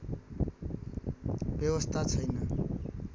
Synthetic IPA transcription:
bjewʌst̪ʰat͡sʰʌjnʌ

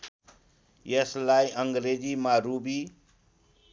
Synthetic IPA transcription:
jeslajʔʌŋɡɾed͡zimaɾubi

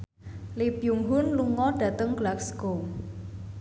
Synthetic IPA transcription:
lipjuŋɦʊnluŋɔɖ̥ä̤t̪əŋɡ̥laksɡo

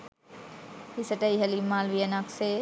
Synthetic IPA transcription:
hisəʈəiɦəlimaːlʋijənakseː

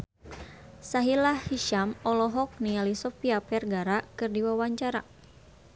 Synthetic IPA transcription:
saɦilahhiʃamɔlɔɦɔk̚nialisɔfiapɛrɡaɾakɨrdiwawaɲt͡ʃaɾa

